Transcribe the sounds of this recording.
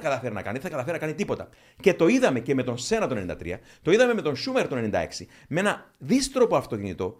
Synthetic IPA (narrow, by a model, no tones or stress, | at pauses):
kɐt̪ɐfe̞ɾinɐ̰kɐ̰niðeθɐkɐt̪ɐfeɾinɐkɐnit̪ipo̞t̪ɐ | ce̞t̪o̞iðɐme̞ce̞me̞t̪o̞nse̞nɐt̪o̞ne̞nind̪ɐ̰t̪ɾḭɐ | t̪oiðɐme̞me̞t̪o̞nsumeɾt̪one̞nind̪ɐ̰e̞̰ksi | mee̞nɐðist̪ɾo̞po̞ɐft̪o̞cinit̪o̞